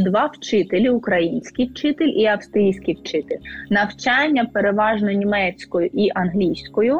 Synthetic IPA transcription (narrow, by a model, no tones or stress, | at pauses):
d̪ʋɑwt͡ʃɪt̪elʲiʊkɾɐjinʲsʲkijwt͡ʃɪt̪elʲʔiɐwst̪ɾʲijsʲkʲijwt͡ʃɪt̪elʲnɐwt͡ʃɑnʲːɐpeɾeʋɑʒnɔnʲimɛt͡sʲkɔjʊʔiʔɐnɦlʲijsʲkɔjʊ